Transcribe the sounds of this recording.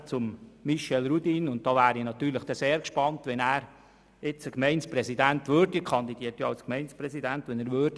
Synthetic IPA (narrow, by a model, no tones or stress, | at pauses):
t͡sʊmːiʃɛlɾudinʊnt̚d̥ɑːvæːɾinɑt̪yːɾləχd̥ɛseːɾkʃpɑntʋɛnæːɾ | ɪt͡səkmɛɪnspɾɛsidæntʋøɾdikʰɑnd̪idiətjɑɑlskmɛɪnsprɛsidæntʋɛnæːɾʋøːd̥